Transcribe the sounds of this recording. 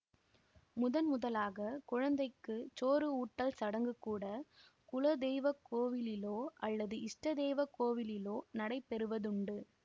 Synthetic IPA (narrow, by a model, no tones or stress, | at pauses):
mʊðɐnmʊðɐlaːɣɐkʊɻɐnd̪ɐɪkːɯt͡ʃoːɾɯuːʈːɐlsɐɽɐŋɡɯkːuːɽɐkʊlɐd̪ɛːʋɐkoːʋɪlɪloːʔɐlːɐðɯʔɪsʈɐðeːʋɐkoːʋɪlɪloːnɐɽɐɪpɛɾɯʋɐðʊɳɖɯ